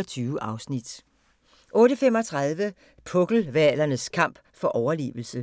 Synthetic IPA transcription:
ɐt͡sʰyːʊəʔɑ̈ʊsnid̥ | ʔɔ̽ːɾəfemɒt͡sʰʁɑðˠʋə | pʰɔɡ̥l̩ʋælɐnəskʰɑ̈m̰b̥ | fɒ̽ʔɒʊɐlḭːʋl̩sə

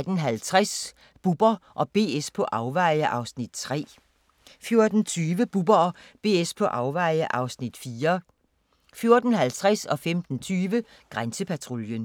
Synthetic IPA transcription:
d̥nɦælt͡sʰʁas | b̥ub̥ɐʔɒ̽b̥e̝̰ːespʰɒ̽ʔɑ̈ʊʋɑ̈ɪəʔɑ̈ʊsnid̥t͡sʰʁɛ̰ː | fjo̝ɐd̥n̩t͡sʰyːʋəb̥ub̥ɐɒb̥e̝̰ːespʰɒ̽ʔɑ̈ʊʋɑ̈ɪəʔɑ̈ʊsnid̥fiːɐ | fjo̝ɐd̥n̩ɦælt͡sʰʁasɒ̽femd̥n̩t͡sʰyːʋə | ɡ̥ʁansəpʰæt͡sʰʁo̝ljən

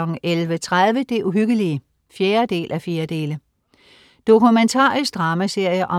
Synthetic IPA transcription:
ɒ̽ɡ̥n̩ʔelʋət͡sʰʁað̞ˠʋəd̥e̝ʔuɦyɡ̥əliə | fjeːɐd̥e̝̰ːlʔæfje̝ːɐd̥e̝̰ːlə | d̥o̝kʰument͡sʰɑ̰̈ːʁisɡ̥d̥ʁɑ̈ːmæse̝ɐ̰jəʔɒ̽

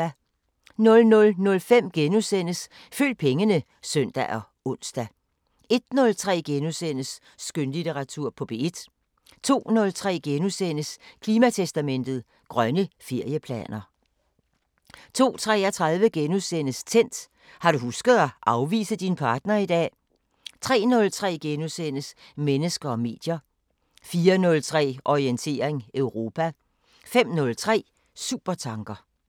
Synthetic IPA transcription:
nɔ̽lnɔ̽lnɔ̽lfem̰ɡ̥enusenəs | fø̰ːd̥̚pʰeŋənə | sœn̰d̥æʔɒ̽ | ɔ̽n̰sd̥æ | e̝d̥̚nɔ̽lt͡sʰʁɛ̰ːɡ̥enusen̰əsː | ɡ̥ønlit͡sʰeʁɑ̈t͡sʰuɐ̰pʰɒ̽b̥e̝ed̥ | t͡sʰo̝̰ːnɔ̽lt͡sʰʁɛ̰ːɡ̥enusen̰əskʰliːmæt͡sʰesd̥æmen̰d̥ð̞̩ˠ | ɡ̥ʁɶnəfe̝ɐ̰jəpʰlɛ̰ːnɐ | t͡sʰo̝̰ːt͡sʰʁɛ̰ːɒt͡sʰʁɑ̈ð̞ˠʋəɡ̥enusen̰əst͡sʰen̰d̥ | hɑ̈ɾ̥uhusɡ̥ð̞̩ˠɒʔɑ̈ʊʋḭːsəd̥inpʰɑ̈ːd̥nɐid̥ɛ̰ː | t͡sʰʁɛ̰ːnɔ̽lt͡sʰʁɛ̰ːɡ̥enusenəsmenəsɡ̥ɐɒ̽me̝̰ːd̥jɐ | fiːɐnɔ̽lt͡sʰʁɛ̰ːʔɒient͡sʰe̝ːɐeŋœʊʁo̝ːpʰæ | fem̰nɔ̽lt͡sʰʁɛ̰ː | sṵb̥ɐt͡sʰɑ̈ŋɡ̥ɐ

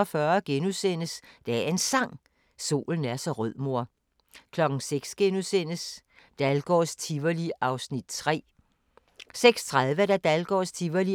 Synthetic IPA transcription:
ɒfɶːɐɡ̥enusen̰əsd̥ææɐe̝nsɑ̈ŋ̰ | so̝̰ːln̩æɐsɒ̽ʁœð̰ˠmo̝ɐ̰ | kʰlɒ̽ɡ̥n̩seɡ̥sɡ̥enusen̰əs | d̥ælɡ̥ɒ̰ːst͡sʰiʋɐliɑ̈ʊsnid̥̚t͡sʰʁɛ̰ː | seɡ̥st͡sʰʁaðˠʋəd̥æd̥ælɡ̥ɒ̰ːst͡sʰiʋɐli

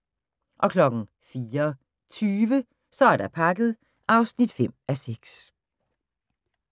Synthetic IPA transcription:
ʔɒ̽kʰlɒ̽ɡ̥ŋ̩ | fiːɐ | t͡sʰyːʋə | sɒ̽æɐɾ̥ɑpʰɑ̈ɡ̥əð̞̩ˠ | ʔɑ̈ʊsnid̥fem̰æseɡ̥s

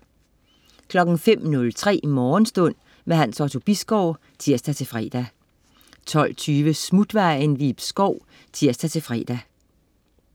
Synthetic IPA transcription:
kʰlɒ̽ɡ̥n̩fem̰nɔ̽lt͡sʰʁɛ̰ːmɒːn̩sd̥ɔ̽n̰ | meɦænsɒt͡sʰo̝b̥isɡ̥ɒʊ̰ | t͡sʰiɐ̰sd̥æt͡sʰe̝fʁɛ̰ːd̥æ | t͡sʰɒ̽l̰t͡sʰyːʋəsmud̥ʋɑ̈ɪnʋib̥sɡ̥ɒʊ̰ | t͡sʰiɐ̰sd̥æt͡sʰe̝fʁɛ̰ːd̥æ

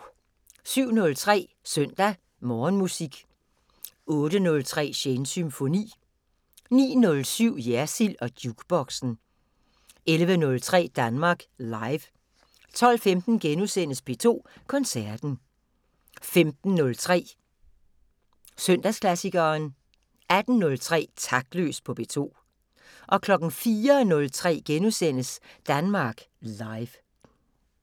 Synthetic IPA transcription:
syʊ̰nɔ̽lt͡sʰʁɛ̰ː | sœn̰d̥æ | mɒːnmusiɡ̥ | ɔ̽ːɾ̥ənɔ̽lt͡sʰʁɛ̰ːɕensymfo̝nḭː | nḭːnɔ̽lsyʊ̰jæɐsilɒ̽d̥juɡ̥b̥ɒ̽ɡ̥sn̩ | elʋənɔ̽lt͡sʰʁɛ̰ːd̥ænmɑ̈ːɡ̥lɑ̈ɪʋ | t͡sʰɒ̽l̰femd̥n̩ɡ̥enusen̰əspʰe̝t͡sʰo̝̰ːkʰɒ̽nsæɐd̥n̩ | femd̥n̩ːɔ̽lt͡sʰʁɛ̰ː | sœn̰d̥æskʰlæsiɡ̥ɐːn | æd̥n̩ːɔ̽lt͡sʰʁɛ̰ːt͡sʰɑ̈ɡ̥̚d̥lø̰ːspʰɒ̽b̥e̝̰ːt͡sʰo̝̰ː | ʔɒ̽kʰlɒ̽ɡ̥n̩fiːɐnɔ̽lt͡sʰʁɛ̰ːɡ̥enusen̰əsd̥ænmɑ̈ːɡ̥ | lɑ̈ɪʋ

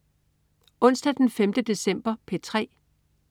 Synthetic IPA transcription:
ɔ̽n̰sd̥æd̥enfemd̥əd̥e̝sem̰b̥ɐpʰe̝t͡sʰʁɛ̰ː

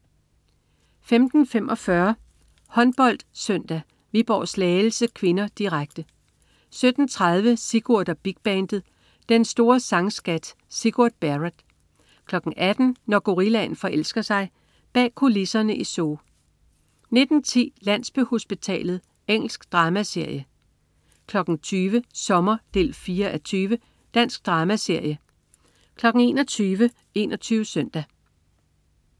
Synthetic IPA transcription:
femd̥n̩femʔɒ̽fɶɐ | hɒ̽nb̥ɒ̽l̰d̥søn̰d̥æ | ʋib̥ɒ̰ːslɛːl̩səkʰʋe̝nɐd̥iʁaɡ̥̚d̥ə | sød̥n̩t͡sʰʁɑð̞ˠʋəsiɡ̥uɐd̥ɐb̥iɡ̥̚b̥ɛnd̥ð̩ˠ | d̥ensd̥o̝ːɐsɑ̈ŋsɡ̥æd̥ | siɡ̥uɐ̰d̥̚b̥æʁəd̥ | kʰlɒ̽ɡ̥n̩ʔæd̥n̩nɒɡ̥o̝ʁilæn̩fɒ̽ʔel̰sɡ̥ɐsɑ̈ɪ | b̥ɛ̰ːkʰo̝lisɐnəʔiso̝ː | ne̝d̥n̩t͡sʰḭːlæn̰sb̥øho̝sb̥it͡sʰɛ̰ːlð̩ˠ | eŋ̰l̩sɡ̥d̥ʁɑ̈ːmæse̝ɐ̰jə | kʰlɒ̽ɡ̥n̩t͡sʰyːʋəsɒ̽mɐd̥e̝̰ːlfiːɐʔæt͡sʰyːʋə | d̥æn̰sɡ̥̚d̥ʁɑ̈ːmæse̝ɐ̰jə | kʰlɒ̽ɡ̥n̩e̝ːnɒt͡sʰyːʋə | e̝̰ːnʔɒt͡sʰyːʋəsœn̰d̥æ

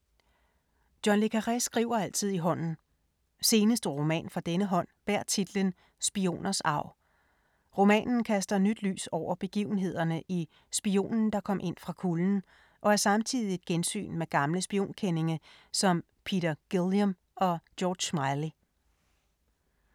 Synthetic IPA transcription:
d̥jɒnle̝kʰæʁɛsɡ̥ʁḭʊ̰ɐæl̰t͡sʰið̞̰ˠiɦɒ̽n̰n̩ | se̝ːnəsd̥əʁo̝mɛ̰ːnfʁɑ̈d̥enəɦɒ̽n̰b̥æɐ̰t͡sʰid̥lən | sb̥io̝̰ːnɐsɑ̈ʊ̰ | ʁo̝mɛ̰ːnn̩kʰæsd̥ɐnyd̥ly̰ːsɒʊ̰ɐb̥e̝ɡ̥ḭʊn̩ɦe̝ð̞̰ˠɐnəʔi | sb̥io̝̰ːnn̩d̥ɑ̈kʰɒ̽m̰ʔe̝n̰fʁɑ̈kʰuln̩ | ʔɒ̽æɐsɑ̈mt͡sʰið̰ˠied̥̚ɡ̥ensy̰ːnmeɡ̥ɑ̈mləsb̥io̝̰ːnkʰene̝ŋɐsɒ̽m | pʰiɾ̥ɐɡ̥ilˠjom | ɒ̽d̥jɒːd̥ɕmɑ̈ɪli

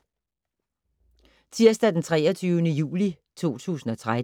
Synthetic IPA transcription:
t͡sʰiɐ̰sd̥æd̥ent͡sʰʁɛːɐt͡sʰyʊənəjṵːli | t͡sʰo̝̰ːt͡sʰṵːsn̩ɒ̽t͡sʰʁa

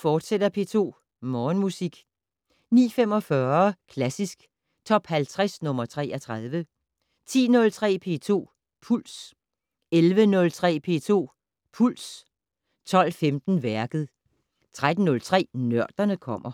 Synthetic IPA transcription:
fɒːd̥sed̥ɐpʰe̝̰ːt͡sʰo̝̰ː | mɒːnmusiɡ̥ | nḭːfemɒ̽fɶːɐkʰlæsisɡ̥ | t͡sʰɒ̽b̥hælt͡sʰʁasnɔ̽mɐt͡sʰʁɛ̰ːɐt͡sʰʁað̞ˠʋə | t͡sʰḭːnɔ̽lt͡sʰʁɛ̰ːpʰe̝̰ːt͡sʰo̝̰ː | pʰul̰s | elʋənɔ̽lt͡sʰʁɛ̰ːpʰe̝̰ːt͡sʰo̝̰ː | pʰuls | t͡sʰɒ̽l̰femd̥n̩ʋæɐɡ̥ð̩ˠ | t͡sʰʁad̥n̩ːɔ̽lt͡sʰʁɛ̰ːnɶɐ̰d̥ɐnəkʰɒ̽m̰ɐ

